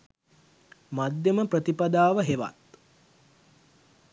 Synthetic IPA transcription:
mad̪jəməprət̪ipad̪aːʋəɦeʋa̰t̪̚

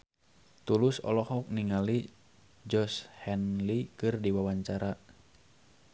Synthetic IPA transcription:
t̪ulʊsɔ̰lɔhɔk̚niŋali | d͡ʒɔshɛnlikɨrdiwawaɲt͡ʃaɾa

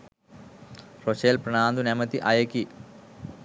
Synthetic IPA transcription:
roɕeːlpɾɐɳaːnd̪unemɐt̪iʔajɐki

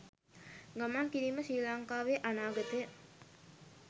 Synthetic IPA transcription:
ɡamaŋkiɾiməsiːlaŋkaːʋeʔanaːɡət̪e

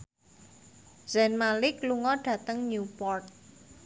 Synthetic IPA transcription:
z̥ɛnmalɪkluŋɔɖ̥ä̤t̪əŋɲupɔrt̪̚

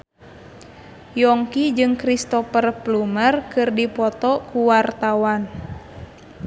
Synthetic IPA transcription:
jɔŋkid͡ʒɨŋkɾist̪ɔfərplumərkɨrdipɔt̪ɔkuwart̪awan

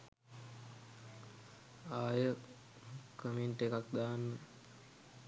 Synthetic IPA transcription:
aːjə | kəminʈekak̚d̪aːnːə

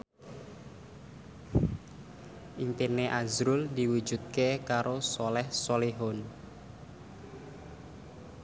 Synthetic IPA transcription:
ʔimpinːeʔazɾʊld̪iwu̥d͡ʒ̥ṳt̪̚kekaɾosolɛhsoleɦɔn

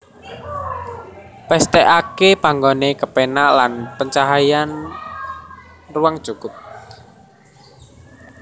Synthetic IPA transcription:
pɛst̪ɛʔakepaŋɡonekəpenaʔlanpəɲt͡ʃaɦajan | ruwaŋd̥ʒ̥ukʊp̚

